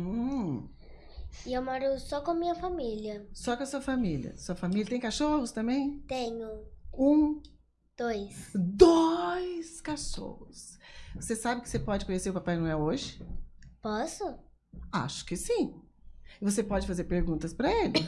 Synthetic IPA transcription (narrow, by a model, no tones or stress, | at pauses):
ũ | ɪewmaɾosɔkõɐmĩɲɐfamiliɐsɔkɐsuɐfamiljɐ̰suɐfamilʲjɐt̪ẽj̃kaʃohʊst̪ɐ̃mbẽj̃t̪ẽɲʊũ | d̪̥ojsd̪ojskaʃo̰hʊsvosesabɪkɪ̥sepɔd͡ʒɪkõɲeseɾʊpapajnɐ̃w̃ɛoʒɪpɔsʊ | a̰ʃʊ̥kɪsĩ | ɪvos̬epɔd͡ʒɪfazeɾpeɾɡũt̪ɐspɾɐelɪ